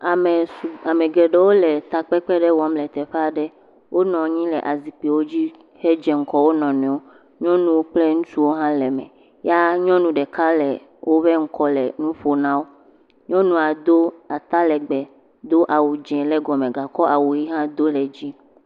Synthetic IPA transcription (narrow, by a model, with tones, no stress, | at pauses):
a˨m˨a˨mɛ˨ɡɛ˨ɖe˦wo˦lɛ˨t̪a˨k͡pɛ˦k͡pɛ˦ɖɛ˦wɔ˨˦mlɛ˨t̪ɛ˨ɸe˦a˨ɖɛ˦ | wo˦nɔ̃˨ɲĩ˦lɛ˨ʔa˨zi˨k͡pi˨wo˦d͡ʑi˦ | he˦d͡ʒɛ˨ŋ̩˦kɔ˦wo˦nɔ̃˨nɛ̃˨wo˦ | ɲɔ̃˦nũ˦wo˦k͡ple˦ŋũ˦t͡ʃu˦wo˦ɦã˦lɛ˨mɛ̰̃˨ | ja˦ɲɔ̃˦nũ˦ɖɛ˨ka˦lɛ˨ | wʔo˦ɸɛ˦ŋ̩˦kɔ˦lɛ̰˨nũ˦ɸo˦nã˦wo˦ | ɲɔ̃˦nũ˦a˨d̪o˦a˨t̪a˦lɛ˨ɡ͡bɛ˨ | d̪o˦ʔa˨wu˨d͡ʒɛ̃˨lɛ˦ɡɔ˨mẽ˨ɡa˨kɔ˦ʔa˨wu˨ji˦ɦã˦d̪o˦lɛ˨d͡ʑi˦